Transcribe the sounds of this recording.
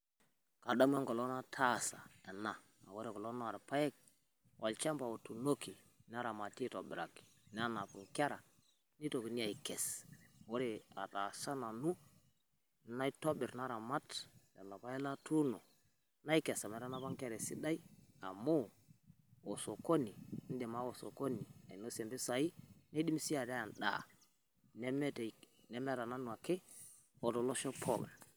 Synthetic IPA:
ka˨da˦m˦e˦ŋɡo˨lo˦na˦tʰa˦sa̰˨ɛ˨na̰ː˨ | wo˦ɾe˨kɔ˨lo˦na˦a˨ɾpa˦jɛ˦k̚ | wʔa˨lt͡ʃa˦mpa˨wo˨tu˨no˦ki˨ | n˦a˦ɾa˨ma˨ti˦to˨bɪ̰˨ɾa˨ki̥˨n˦a˦na˨pu˨ŋka˦ɾa˨ | ni˦to˨ki˨ni˦a˨i˨kɛ˨swo˦ɾi˦a̰˨ta˨sa˦na˨nu˦ | na˦i˦to˦bɪ˨ɾna˦ɾa˨ma˦tda̰˨na˨pa˦ɛ˦la˦tu˦nɔ˨ | na˦i˦kɛ˨sa˨mɛ˨ɾa˦na˦βa˦ŋke˦˨ɾɛ˨si˦da˦i˦a˨mo˦ | o˨so˨ko˦ni˨˦n˦de˨ma˦wo˨so̰˨ko˦ni˨a̰˨i˨no˦sɛ˨mbi˦sa˨i˦na˦i˦di˦m˦si˦a˨ta˦ja˨nɗa̰˨ | nɛ˦mɛ˦t | nɛ˨˦mɛ˦ɾa˨na˦nu˨a˨ke˦ | o˨to˨lo˦ʃɔ˦pʰo̰˦ɡa̰˨

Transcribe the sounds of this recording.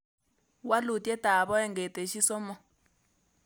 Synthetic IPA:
wa˦lu˨tjɛ˦ta˨βɔ˦ɛ˦ŋɡɛ˨tɛ˨ʃi˦sɔ˦mɔ˦

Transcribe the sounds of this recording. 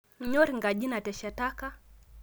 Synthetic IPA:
ɲɔ˦ɾi˨ŋɡa˨ʄi˦na˨tɛ˨ʃa˨ta˦ka˦

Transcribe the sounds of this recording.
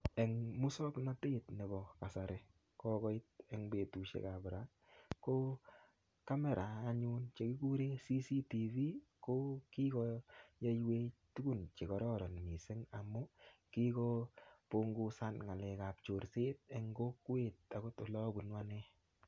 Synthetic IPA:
ɛ˨ŋmu˦sɔ˦kna˦te˦tne˨bɔ˨ka˨sa˨ɾe˨ | kɔ˦kɔ˦ɪ˦t̚ɛ˨ŋbe˨tu˨ʃḛ˨ka˨bɾa˦ | ko˦ | ka˦mɛ˨ɾaː˨˦ɲu˦nt͡ʃe˨kɪ˦ku˦ɾe˦si˦si˦ti˨vi˦ko˦ki˦kɔ˦ja˦jwe˦tu˦ɡu˦˨nt͡ʃe˨kɔ˨ɾɔ˦ɾɔ˨n˨mi˨se˦ŋa˨mːʊ˦ki˦kɔ˦po˦ŋɡu˦sa˦nŋa˨lɛ˨ka˨p̚t͡ʃo˨ɾse˦t̚ɛŋɡo˦kwe˦˨t̚a˨ɡo˦to˨lɔ˦bu˨nwa˦nɛ˦

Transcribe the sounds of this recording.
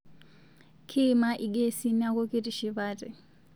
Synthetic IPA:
kʰi˦ma˦ʔi˨ɡe˦si˦na˦kʼo˦kʼi˦ti˨ʃi˨βaː˦tʼɛ˨

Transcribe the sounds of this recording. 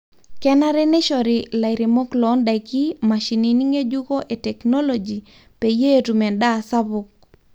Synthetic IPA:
kɛ˦na˦ɾɛ˦ne˦ʃɔ˨ɾi˨la˨ɪɾi˨mɔ˦klɔ˨˦nda˨jki˦ma˨ʃi˨ni˨ni˦ŋe˦d͡ʒu˦ko˦ʔe˨tɛ˨knɔ˦lo˨d͡ʒi˨ | pe˨je˦tumɛ˨nda˦˨sa˦bʊk̚

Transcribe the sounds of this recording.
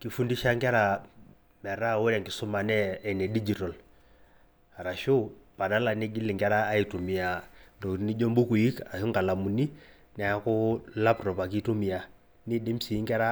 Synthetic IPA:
ki˨fu˦ndi˦ʃa˦ŋɡɛ˦ɾa˨ | mɛ˨ɾa˦˨wo˦ɾɛ˨ŋɡi˨sɔ˦ma˨nɛː˦˨nɛ˨di˦d͡ʒi˨tɔ˨l | a˨ɾa˨ʃo˦pa˨ɗa˦la˨ni˦ɡi˦li˨ŋɡɛ˦ɾaː˦i˨tu˨mi˨a˨ndɔ˨˦ni˦ʄɔ˦mbu˦ku˨i˦ka˨hu˦ŋɡa˨la˨mu˨ni˦ | nɛ˨a˦ku˦la˦prɔ˨pa˨ki˦tu˦mi˨a˨ | ni˦ɗe˦msi˨˦ŋɡɛ˦ɾa˦

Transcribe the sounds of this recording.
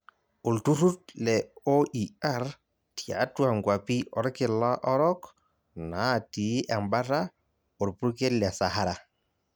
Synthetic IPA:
u˨ltu˦ɾu˦tlɛ˨ɔʔia˦ɾ | ti˨a̰˨twa˨ŋɡwa˨pi˦ʔɔ˨ɾkɪ˨la˦ʔɔ˦ɾɔ˦k | na˦˨ti˨ʔɛ˨mba˦ɾa˦ | ɔ˨ɾpu˦ɾke˦lɛ˨sa˨ɦa˦ɾa˨

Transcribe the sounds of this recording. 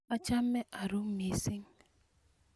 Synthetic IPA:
a˦t͡ʃa˦m̩˦me˦ʔa˨ɾu˦mi˨˦si˦ŋ˦

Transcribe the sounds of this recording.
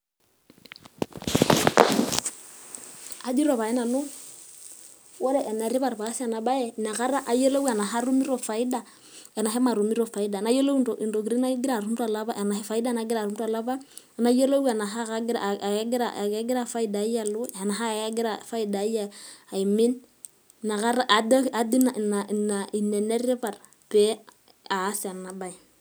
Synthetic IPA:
a˦d͡ʒi˦ɾɔ˨βa˨ɛ˦na˨no˦ | wɔ˦ɾɛ˦ʔɛ˨na˨ɾi˦βa˦˨ɾβa˨˦si˦a˨na˨ɓa˦jɛ˦˨na˨ka˦ɾa˦ʔa˨jɔ˦lo˦wa˨na˨ɦa˦ɾu˦mi˦ɾɔ˨fa˨i˦da˨ | ɛ˨na˨ɦɛ˦ma˨ɾu˨mi˦ɾɔ˨fa˨i˦da˨na˨˦jɔ˦lo˦u˦ndɔ˨ʔi˨ndo˨ki˨ɾi˦na˦ɡi˦ɾa˨ɾu˦m˦da˨la˦βa˦ʔɛ˨na˨ɦɛ˦fa˨i˦da˦na˨˦ɡi˦ɾa˨ɾu˦nda˨la˦βa˦˨ | na˦jo˦lo˦wa˨na˨ɦa˦a˦ɡɾɡɾa̰˨a˦ɡɪ˦ɾa˦fa˦i˦da˨˦ja˦˨lu˦˨a˨na˨ɦa˦˨a˦ɡɪ˦ɾa˨fa˦i˦da˨˦ja˦a˨i˨mi˦n | na˨ka˦ɾa˦ʔa˨da˦ka˨di˦na˨na˨na˨i˨ne˨ne˦ɾe˦pa˨ɾ | pɛ˦ | aː˨˦sa˨na˨ba˦i˨

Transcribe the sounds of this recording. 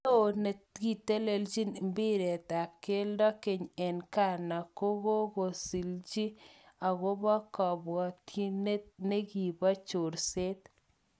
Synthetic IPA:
o˨ne˨ɡi˨te˦le˨ld͡ʒi˦n˨mbi˦ɾe˨t̪a˨p̚ke˦ldɔ˦ke˨ɲɛ˨nka˦˨na˨ko˦ɣo˦ɣo˨si˨ld͡ʒi˦a˨ɣo˦βɔ˦kɔ˨bwɔ˨ti˦ne˦ne˦ɣi˨ba˦t͡ʃo˨ɾse˦t̪

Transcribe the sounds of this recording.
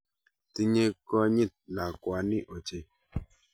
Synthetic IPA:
ti˦ɲe˦kɔ˦ɲi˦˨t̚na˨kwa˨˦ni˦ʔo˨t͡ʃe˦

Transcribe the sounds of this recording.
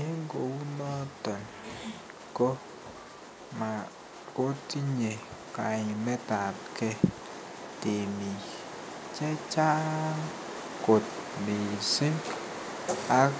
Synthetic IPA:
e˦ŋɡo˨wu˦nɔ˦tɔ˨n | ko˦ | ma˨ | ko˦ti˦ɲe˨ka˨ɲi˨mɛ˦ta˨t̚kɛ˦ | te˨mi˨ | t͡ʃɛ˦t͡ʃa˦ŋ | ko˨t̚mi˨si˦ | a˦

